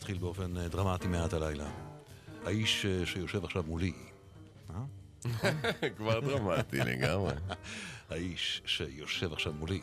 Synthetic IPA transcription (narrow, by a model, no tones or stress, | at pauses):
tχilbeo̞fe̞ndʁamatimeatalajla | haiʃʃejo̞ʃe̞vaχʃavmuli | ma | kvaʁd̪ʁamat̪ḭlḛɡamʁḛhaiʃːejoʃe̞vaχʃavmuli